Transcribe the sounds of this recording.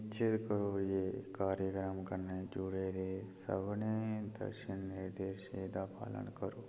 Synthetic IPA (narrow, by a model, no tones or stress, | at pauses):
t͡ʃʰɪt̪kəɾoːjeːkaːɾjəkɾəmkəɾned͡ʒuɽeɾesə̰bned̪ə̰ɾʃɪnːeɾd̪eːɾʃeːd̪apa̰ːlə̰nkəɾoː